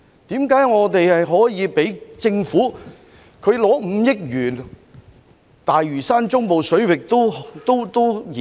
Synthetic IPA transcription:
t̪iː˨˥mkaː˨˥jŋɔː˨˧t̪e˨jhɐ˨jɦɔː˨˥jiː˨˧pe˨˥jt͡sɪ˧ŋfuː˨˥ | kʰɵ˨˧ɥlɔː˨˥m̩˨˧˥jɪ˥k̚jyː˨˩n | t̪aː˨jɥyː˨˩saː˥nt͡ʃʊ˥ŋmo˨wsɵ˨˥ɥwɪ˨k̚t̪o˥wt̪o˥wt̪o˥wjiː˨

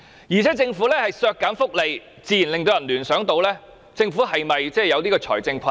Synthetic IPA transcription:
jiː˨˩t͡sʰɛː˨˥t͡sɪ˧ŋfuː˨˥lɛː˥hɐ˨jsœː˧kːaː˨˥nfʊ˥k̚le˨j | t͡siː˧jiː˨˩nlɪ˨ŋt̪o˧wjɐ˨˩nlyː˨˩nsœː˨˥ŋt̪o˧wlɛː˥ | t͡sɪ˧ŋfuː˨˥hɐ˨jmɐ˨jt͡sɛː˥˩jɐ˨˧wt̪iː˥kɔː˧t͡sʰɔ̰ː˨˩jt͡sɪ˧ŋkʷʰɐ˧

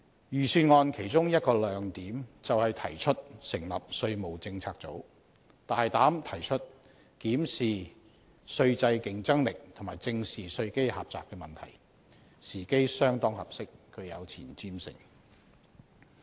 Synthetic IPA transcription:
jyː˨˩syː˨˧nŋɔː˧nkʰe˨˩jt͡sʊ˥ŋjɐ˥t̚kɔː˧lœː˨˥ŋt̪iː˨˥mt͡sɐ˨whɐ˨jt̪ʰɐ˨˩jt͡ʃʰɵ˥t̚sɪ˨˩ŋlɐ˨p̚sɵ˧ɥmo˨˩wt͡sɪ˧ŋt͡sʰaː˧k̚t͡so˨˥w | t̪aː˨jt̪aː˨˥mt̪ʰɐ˨˩jt͡ʃʰɵ˥t̚ | kiː˨˥msiː˨˩ | sɵ˧ɥt͡sɐ˧jkɪ˨ŋt͡sɐ˥ŋlɪ˨k̚t̪ʰŋmaː˨˩jt͡sɪ˧ŋsiː˨˩sɵ˧ɥke˥jha̰ː˨p̚t͡sa̰ː˨p̚kɛː˧mɐ˨˩nt̪ʰɐ̰˨˩j | siː˨˩ke˥jsœː˥ŋt̪ɔː˥ŋhɐ˨p̚sɪ˥kʰːɵ˨˧jɐ˨˧wt͡sʰḭː˨˩nt͡siː˥msɪ̰˨˩ŋ

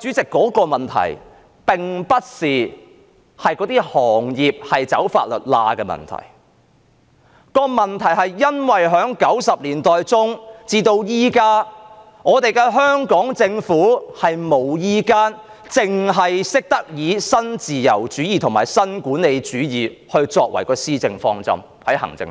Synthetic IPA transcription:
t͡ʃyː˨˥t͡sɪ˨kːɔː˨˥kɔː˧mɐ˨nt̪ʰɐ̰˨˩j | pɪ˨ŋpɐ˥t̚siː˨ | hɐ˨jkɔ˨˧˥t̪iː˥hɔː˨˩ŋjiː˨p̚hɐ˨jt͡sɐ̰˨˥wfa̰ː˧t̚lɵ̰˨t̚la̰ː˧kɛː˧mɐ̰˨˩nt̪ʰɐ̰˨˩j | kɔː˧mɐ˨˩nt̪ʰɐ˨˩jɦɐ˨jːɐ˥nwɐ˨jɦœː˨˥ŋkɐ˨˥wsɐ˨p̚liː˨˩nt̪ɔː˨jt͡sʊ˥ŋt͡siː˧t̪o˧wjiː˥kaː˥ | ŋɔː˨˧t̪e˨jkɛː˧ɦœː˥ŋkɔː˨˥ŋt͡sɪ˧ŋfuː˨˥hɐ˨jmo˨˩wjiː˥kaː˥n | t͡sɪ˨ŋɦɐ˨jsɪ˥k̚t̪ɐ˥k̚jiː˨˧sɐ˥nt͡siː˨jɐ̰˨˩wt͡ʃyː˨˥jiː˨t̪ʰʊ˨˩ŋmaː˨˩jsɐ˥nkuː˨˥ne˨˧jt͡ʃyː˨˥jiː˨˩hɵ˧ɥt͡sɔː˧k̚wɐ̰˨˩jkɔː˧siː˥t͡sɪ˧ŋfɔ̰ː˧ŋt͡sɐ̰˥m | hɐ˨˥jhɐ̰˨˩ŋt͡sɪ̰˧ŋ

